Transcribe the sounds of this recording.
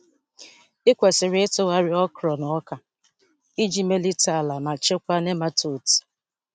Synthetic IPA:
ɪ˦kʷe˨sɪ˨ɾɪ˨˦ɪ˦to˦wa˦ɾɪ˦ɔ˦kɾɔ˨nɔ˨˦ɔ˦ka˨ | i˦d͡ʒi˦me˦li˦ta˦˨la˨ma˨t͡ʃe˦kʷa˦ne˦ma˦to˨ti̥˨

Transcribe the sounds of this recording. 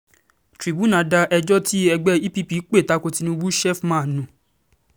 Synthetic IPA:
tɾi˨bu˦nã˨˦da˧ʔɛ˧d͡ʒɔ˦ti˦ɛ˧ɡ͡bɛ˦i˦pi˦pi˨˦k͡pe˦˨ta˨˦ko˧ti˧nũ˧wu˦ʃɛ˦fmã˦˨nũ˨˦˨

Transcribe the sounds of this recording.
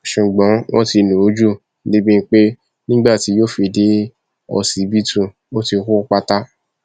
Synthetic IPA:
ʃu˨ɡ͡bɔ̃˨˦wɔ̰̃˦ti˧nũ˨o˦d͡ʒu˦ | de˦bĩ˦n̩˧˦k͡pe˦ | nĩ˦ɡ͡ba˦˨ti˨˦jo˦fi˧˨de˦ | ɔ̰˧si˨˦bi˦tũ˦˨ | o˦ti˧ku˦ɔ˦k͡pa˦ta˦

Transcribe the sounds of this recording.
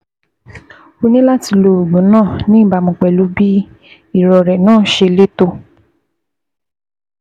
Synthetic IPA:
o˧nĩ˦la˦ti˧lo˧˨o˨ɡ͡bũ˨˦nãː˦˨nĩ˨˦˨ba˧mũ˧˨k͡pɛ˨lu˨˦bi˦ | i˦˨ɾɔ˨ɾɛ˨nãː˦˨ʃe˧le˦to˧

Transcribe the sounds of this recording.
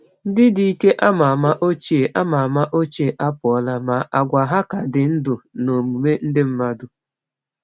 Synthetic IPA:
n̩˦dɪ˦di˨i˦ke˦ʔa˦ma˨ma˦ʔo˦t͡ʃe˦˨ʔa˦ma˨ma˦ʔo˦t͡ʃe˦˨ʔa˦pʊ˨ɔ˦la˦ma˨ʔa˨ɡʷa˨ɦa˦ka˨dɪ˨n̩˦dʊ˨no˨mu˨me˦n̩˦dɪ˦m̩˦ma˦dʊ˨

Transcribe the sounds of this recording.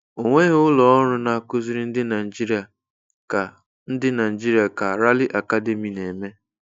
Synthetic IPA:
o˨ŋʷe˦ɣʊ˦lɔ˨ɔ˦ɾʊ˦na˨kʊ˦zɪ˦ɾɪ˦n̩˦dɪ˦na˨i˨d͡ʒi˦ɾi˦a˨ | ka˨ | n̩˦dɪ˦na˨i˨d͡ʒi˦ɾi˦˨a˨ka˨ɾa˦lɪ˦ʔa˨ka˦de˨mi˨ne˨me˦

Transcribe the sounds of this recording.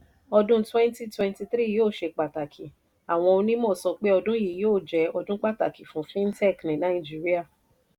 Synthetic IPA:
ɔ˧dũ˦twɛ̃˦nti˦twɛ̃˧nti˧θɾi˦˨joː˦˨ʃe˧k͡pa˨ta˨kʰi˨ | a˨w̃ɔ̃˧o˧nĩ˦mɔ̃ː˦˨sɔ˧k͡pe˦ɔ˧dũ˦ji˨joː˦˨d͡ʒɛ˨ɔ˧dũ˦k͡pa˦˨ta˨ki˨fũ˨˦fĩ˦n̩˦tɛ˦˨knĩ˨˦nã˨˦ĩ˦˨d͡ʒi˦ɾi˦a˦˨

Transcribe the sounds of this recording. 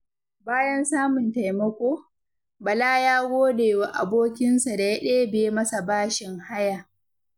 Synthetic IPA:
baː˦jɐ˦nsaː˦mʊ˨nta˨jmɐ˦kʷoː˦ | bɐ˨laː˦jaː˦ɡʷoː˦deː˨wa˨ʔa̰˨boː˦kʲɪ˦nsa˨da˨ja˦ɗeː˦beː˨˦mɐ˦sa˨baː˦ʃɪ˨ŋha˦ja˨

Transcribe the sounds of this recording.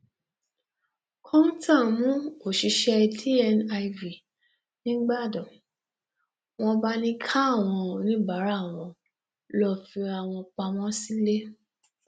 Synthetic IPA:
kʰɔ̃˦n̩˦ta˦˨mũ˦o˦˨ʃi˨˧ʃɛ˧dʰi˦ɛ˧na˧i˧vi˨ | nĩ˦ɡ͡ba˦˨dɔ˨ | w̃ɔ̃˧ba˦nĩ˦kʰa˦˨w̃ɔ̃˧o˨nĩ˨˦ba˨˦ɾa˦˨w̃ɔ̃˧ | lɔ˧fi˧a˨w̃ɔ̃˧k͡pa˧mɔ̃˦si˦le˦

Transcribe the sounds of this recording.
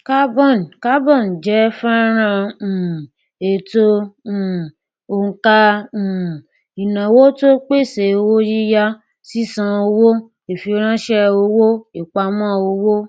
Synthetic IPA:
ka˦bɔ˦˨n˨ka˦bɔ̃˦˨n˨d͡ʒɛ˨˦fã˦ɾ̃ã˧˨ | e˨tõ˦˨ | o˧ŋ̩˧kã˦˨ | i˨nã˨wo˦to˦k͡pe˦˨se˨o˧wo˦ji˦ja˦ | si˦sã˧o˧wo˦ | e˨fi˧o˧ɾ̃ã˦ʃɛ˦o˧wo˦i˨k͡pa˧mã˦o˧wo˦

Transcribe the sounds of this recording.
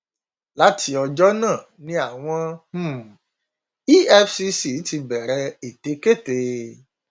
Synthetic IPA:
la˦tʰi˧ɔ˧d͡ʒɔ˦nãː˦˨ | nĩ˦a˦˨w̃ɔ̃˧m̩˦˨ | i˦ɛ˧fsi˧si˨˦ti˧bɛ˨ɾɛ˧e˨te˨˦ke˦˨te˧

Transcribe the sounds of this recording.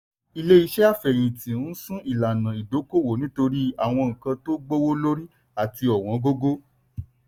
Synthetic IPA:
i˧le˦i˧ʃɛ˦a˦˨fɛ˨ɾ̃ĩ˨tĩ˨n̩˦sũ˦i˨la˨nã˨i˨do˨˦ko˦˨wo˨nĩ˦to˧ɾi˦a˦˨w̃ɔ̃˧ŋ̩̃˨kã˧to˦ɡ͡bo˦wo˦lo˦ɾi˦ | a˦˨ti˧ɔ˨w̃ɔ̃˨˧˦ɡo˦ɡo˦

